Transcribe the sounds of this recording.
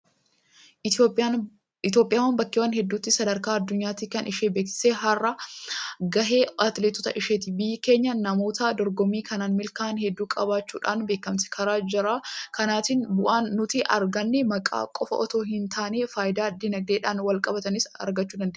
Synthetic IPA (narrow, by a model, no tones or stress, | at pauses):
ɪt̪jo̞ːpʼːɪjaːwɐnbɐkːɪwaːnɦɛd̪ːuːt̪ːɪsɐd̪ɐɾkaːɐd̪ːʊɲːaːt̪ɪkɐnɪʃeːbeːksɪ̥seːɦɐrːɐ | ɡɐɦe̞ːʔɐt̪lɛt̪ʊt̪ɐ̰ʔɪʃeːt̪ɪbɪjːɪke̞ːɲːɐnɐmo̞ːt̪aːd̪ɔɾɡɔmːiːkɐnaːnmɪlkaːnhɛd̪ːuːkʼɐbaːt͡ʃːuːᶑaːnbe̞ːkːɐmsɛ̥kʰɐɾaːd͡ʒɪɾaːkɐnaːt̪ɪnbʊʔaːnːʊt̪ɪʔɐɾɡɐnːɛmɐkʼa̰ːkʼɔfɐ̰ʔɔt̪o̞ːɦɪnt̪aːneːfaːjɪd̪aːd̪ɪnɐɡ̚d̪eːᶑaːnwɐlkʼɐbɐt̪ɐnɪsɐ̰ɾɡɐt͡ʃːuːd̪ɐnd̪eː